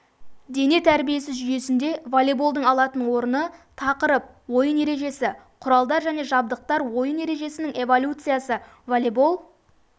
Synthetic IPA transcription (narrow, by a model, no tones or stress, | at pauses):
d̪e̞ne̞t̪ʰæɾbije̞sɪzʒʏje̞sɪnd̪e̞volʲebolˠd̪əɴɑlˠɑt̪ənwo̞ɾənət̪ʰɑqəɾəp̚ | wo̞jəne̞ɾe̞ʒe̞sɪ | qʰʊɾɑlˠd̪ɑɾʒæne̞ʒɑb̚d̪əq̚t̪ɑɾwo̞jəne̞ɾe̞ʒe̞sɪnɪŋe̞vo̞lʲut̪sɨjasə | volʲebolˠ